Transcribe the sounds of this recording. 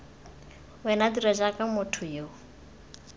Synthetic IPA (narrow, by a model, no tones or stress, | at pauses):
wɛnadiɾaʒakamʊtʰʊjo